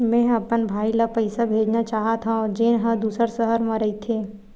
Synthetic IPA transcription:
mɛ̃ːɐpənbʱaːilapɐɪsabʱeːd͡ʒnat͡ʃaːɦat̪ʰãɔːɾd͡ʒeːnɦɐ̃d̪uːsəɾsəɦəɾmãɾɐit̪ʰeː

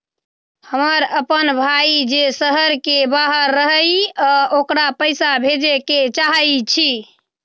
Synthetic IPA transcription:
həməɾəpənbʱaid͡ʒesəɦəɾkebaɦəɾːəɦəjɔokɾapəɪsabʱed͡ʒeket͡ʃaɦəjt͡ʃʰi

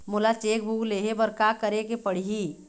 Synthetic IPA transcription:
mʊlat͡ʃeːk̚bʱuːɡleːɦebɐɾkakəɾekepəɽ̤iɦi

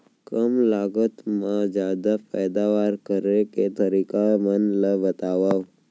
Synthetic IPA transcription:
kəmlaɡət̪mãd͡ʒjad̪apɛjd̪aʋaɾkəɾeket̪əɾikamənləbət̪aʋaʋ

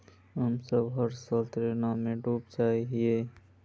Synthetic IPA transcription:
ɦəmsəbɦəɾsəlt̪ɾenamẽɖuːp̚t͡ʃaːɦiɦie

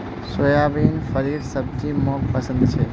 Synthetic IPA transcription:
sojabinfəɾiɾsəb̚d͡ʒimõkpəsə̃nd̪t͡ʃʰe

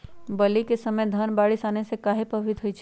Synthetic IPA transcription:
bəlikesəməjd̪ʱənbaːɽisaːnesekaːɦepəbʱit̪ɦojt͡ʃʰ

